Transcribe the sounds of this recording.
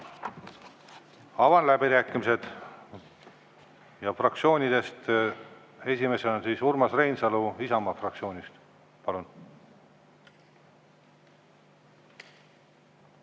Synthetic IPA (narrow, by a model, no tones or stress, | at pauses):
ɑvɑnlæbiɾæːkːˑimise̞d̪̥ | jɑfrɑkt̪sio̞ːnʲid̪e̞st̪ | e̞sʲime̞selonsiːsurmɑsrejnsɑluisɑmɑfrɑk̪̚sio̞ːnʲist̪ | pɑlun